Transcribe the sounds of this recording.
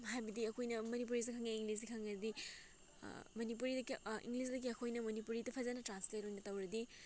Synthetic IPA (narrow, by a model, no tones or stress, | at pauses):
ɦajbɐdiɐkʰojnɐmɐnip̬uɾis̬ikʰaŋeiŋɡlis̬ikʰaŋɐɾɐdi | mɐnip̬uɾidɐkiḭŋɡlis̬dɐɡiɐkʰojnɐmɐnipuɾitɐpʰɐzɐnɐtɾansletojnɐtɐwɾɐdi